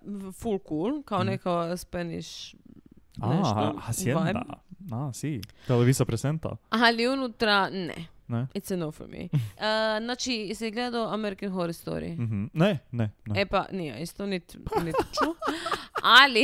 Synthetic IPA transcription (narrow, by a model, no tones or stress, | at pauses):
fulkuːlˠkaonekaspenḭʃ | aneʃt̪oasjeaj̪a̰asit̪eleʋizapɾesent̪a̰aliunut̪ɾanɛ̰nɛisɛnofo̰mḭəznaːt͡ʃisiɡled̪aoameɾikexoɾist̪o̰ɾḭm̩ɦ̩nenɛnepa̰nija̰ist̪onit̪nit̪t͡ʃu | ali